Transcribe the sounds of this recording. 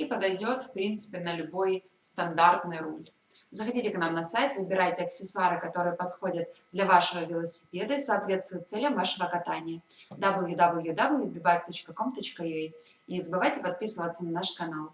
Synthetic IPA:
ipəd̪ɐjdʲo̞t̪fpɾʲint̪sɨ̥pʲɪnəlʲʊbo̞j | st̪ɐnd̪art̪nɨjɾulʲ | zəxɐdʲitʲɪknamnɐsajt̪vɨbʲɪɾajtʲɪɐksʲɪsʊaɾɨkɐt̪o̞ɾɨjəpɐt̪xo̞dʲət̪̚d̪lʲɐvaʂɨvəvʲɪlˠəsʲɪ̥pʲe̞d̪əisɐːt̪vʲe̞t̪st̪vʊjɪt̪sɛlʲəmvaʂɨvəkɐt̪anʲɪjəd̪abəlˠjud̪ablˠjud̪ablˠjubʲɪbakʲt̪o̞t͡ɕkəko̞mt̪ot͡ɕkəejiɪzəbɨvajtʲɪpɐt̪̚pʲisɨvət̪sənɐnaʂkɐnalˠ

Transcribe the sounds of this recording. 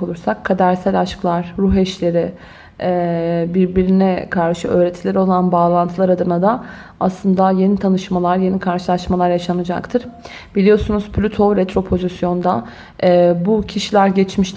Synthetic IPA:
olˠuɾsakʰːad̪æɾsælʲaʃklˠaɾ̥ːuɦɛʃlʲe̞ɾɪ | ɛːbiɾbiɾinɛkʰaɾʃɯʔø̞ːɾet̪ʰilʲɛɾo̞lˠanbaːlˠant̪ʰɯlˠaɾad̪ɯnad̪a | aslˠɯnd̪aje̞nit̪ʰanɯʃmalˠaɾje̞nikʰaɾʃɯlˠaʃmalˠaɾjaʃanɯd͡ʒa̰kt̪ʰɯɾ̥ | b̥ilʲijo̞sunuzpʰlʲyt̪ʰo̞ɾɛt̪ʰɾo̞pʰo̞zisjo̞nd̪a | ɛbucʰiʃilʲæɾɟɛt͡ʃmiʃ

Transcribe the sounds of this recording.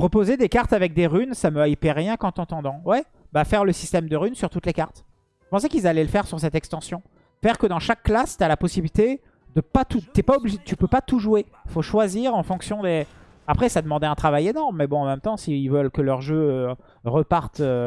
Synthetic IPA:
ʁɔpozed̪ekaʁt̪avɛk̚d̪eʁynsaməaipɛʁːjɛ̃kɑ̃t̪ɑ̃t̪ɑ̃d̪ɑ̃wɛ | bafɛʁləsist̪ɛmd̪əʁynsyʁt̪ut̪lekaʁt̪ | ə̥pɑ̃s̬ɛkilzalɛləfɛʁsyʁsɛt̪ɛkst̪ɑ̃sjɔ̃ | fɛʁkəd̪ɑ̃ʃakːlast̪yalapɔsibilit̪e | d̪əpat̪ut̪yɛpaɔbliʒet̪ypøpat̪uʒue | ifoʃwaziʁɑ̃fɔ̃ksjɔ̃d̪e | apχɛsad̪əmɑ̃d̪ɛɛ̃t̪χavajenɔʁmːɛbɔ̃ɑ̃mɛmt̪ɑ̃siːlvəlkəlœʁʒø | ʁəpaʁt̪ø

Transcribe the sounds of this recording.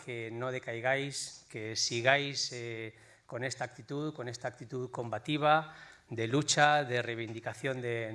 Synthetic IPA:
kenoð̞e̞kajɣ̞ajskesiɣ̞ajse | ko̞nest̪ak̚t̪it̪uðko̞nest̪aːk̚t̪it̪uðko̞mbat̪iβ̞ad̪e̞lut͡ʃaðerejβ̞ind̪ikaθjo̞nd̪e

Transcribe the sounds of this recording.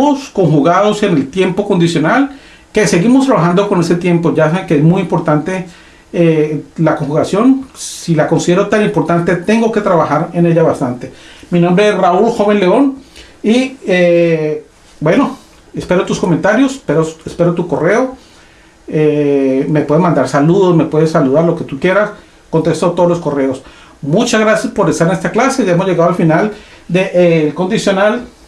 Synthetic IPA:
osko̞ŋxuɣaðo̞se̞ne̞lt̪je̞mpo̞ko̞nd̪isjo̞nal | kese̞ɣimost̪ɾaβaxand̪okone̞se̞t̪je̞mpo̞ʝasaekeezmujimpo̞ɾt̪ant̪e̞ | lakoŋxuɣasjo̞nilako̞nsiðeɾot̪animpo̞ɾt̪ant̪e̞t̪e̞ŋɡo̞ke̞t̪ɾaβaxaɾene̞ʎaβast̪ant̪e̞minombɾeesraulxo̞βe̞nle̞o̞n | ie | bwe̞no̞ | espe̞ɾot̪usko̞ment̪aɾjo̞speɾoespeɾot̪uko̞re̞o | eme̞pwe̞ðemãnd̪aɾsaluðosmepweðesaluð̞aɾlo̞ke̞t̪ukje̞ɾas | ko̞nt̪e̞st̪ot̪oðlosko̞re̞os | mut͡ʃazɣɾasjaspo̞ɾest̪aɾenest̪aklase̞ʝaemo̞zʝe̞ɣaðoalfinal | d̪eʔelko̞nd̪isjo̞nal

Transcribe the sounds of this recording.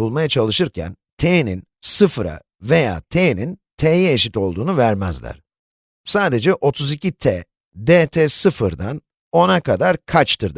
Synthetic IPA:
ulˠmajat͡ʃʰalˠɯʃɯɾcʰæ̰n | t̪ʰenin | sɯfɾa̰ | ve̞ja̰ːt̪ʰenint̪ʰeːjɛːʃit̪o̞lˠd̪uːnuvæɾmæzlʲæ̰ɾ̥ | saːd̪e̞d͡ʒɛʔo̞t̪ʰuzicʰit̪ʰɛ | d̪et̪ʰɛsɯfɯɾd̪an | o̞nakʰad̪aɾkʰat͡ʃt̪ʰɯɾd̪

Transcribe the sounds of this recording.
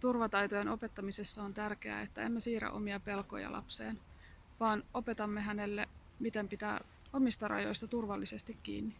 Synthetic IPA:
t̪urʋɑt̪ɑjt̪ojenʔo̞pe̞t̪ːɑmisesːɑont̪ærke̞æ̰ːet̪ːæe̞̰mːesiːɾæ̰ʔo̞̰miɑpe̞lko̞̰jɑ̰lʔɑ̰psḛːn | ʋɑːnʔo̞pe̞t̪ɑmːeɦæne̞lːe | mit̪empit̪æ̰ː | o̞mist̪ɑrɑ̰jo̞̰jst̪ɑt̪urʋɑlːisest̪ikːḭːnːi

